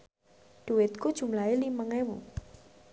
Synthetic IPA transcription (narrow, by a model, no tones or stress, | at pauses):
ɖ̥uwɪt̪̚kud̥ʒ̥ṳmlaeliməŋɛmṵ